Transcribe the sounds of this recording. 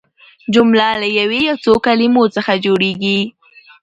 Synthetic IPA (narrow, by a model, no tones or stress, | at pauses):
d͡ʒʊmlalajawejawt͡sokalimot͡səxad͡ʒoɽeɡi